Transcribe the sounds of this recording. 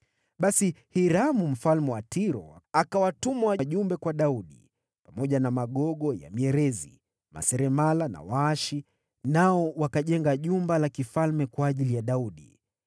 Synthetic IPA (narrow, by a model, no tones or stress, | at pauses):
ɓasihiɾamum̩falmɛwatiɾɔ̰akawatumawʄumbɛkwaɗauɗḭ | pamɔʄanamaɠɔɠɔja̰miɛɾɛzḭ | ma̰sɛɾɛmalana̰waaʃi | naɔwakaʄɛŋɡaʄumbalakifalmɛkwaːʄilijaɗauɗḭ